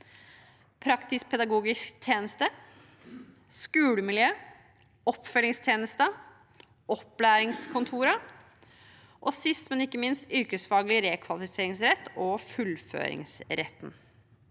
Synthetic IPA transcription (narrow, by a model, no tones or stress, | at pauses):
pʰɾɑkt̪ɪspʰɛd̪ɑɡuːɡɪskt̪ʰjeːnəst̪ə | skʉːɽəmɪljøː | ɔpːfœlɪŋst̪ʰjeːnəst̪ə | ɔplæːɾɪŋskʰʊnt̪ʰuːɾɑ | ʔɔsɪst̪mɛnɪkːəmɪnst̪ʏɾkəsfɑːɡlɪɾeːkʰʋɑlɪfɪseːɾɪŋsɾɛt̪ːɔfʉlfø̰ːɾɪ̰ŋsɾɛ̰t̪ːn